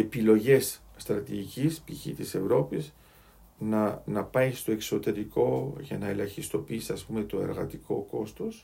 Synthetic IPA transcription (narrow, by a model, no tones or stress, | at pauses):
e̞pilo̞ʝe̞sst̪ɾɐt̪iʝicispiçḭt̪ise̞vɾo̞piz | nɐnɐpɐjst̪o̞e̞kso̞t̪e̞ɾiko̞ʝɐnɐe̞lɐçist̪o̞piisiɐspume̞t̪o̞e̞̰ɾɣɐt̪iko̞ko̞st̪o̞s